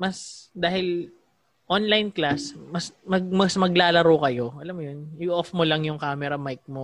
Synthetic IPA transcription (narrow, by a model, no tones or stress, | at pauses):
mɐsd̪aːhɪl | ʔonlajnklasmɐsmɐɡ̚mɐsmɐɡlaːlɐɾoːkɐjo̞ʔɐlamːjonjʊʔofmolɐŋjʊŋkaːmɛɾɐmajk̚mo